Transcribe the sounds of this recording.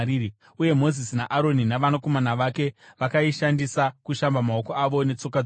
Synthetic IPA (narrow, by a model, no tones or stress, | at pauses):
ii | uje̞mo̞zisinaʔaɾo̞ninaʋanako̞manaʋake̞ʋakaiʃandisakuʃambamao̞koaʋo̞ne̞t͡so̞ka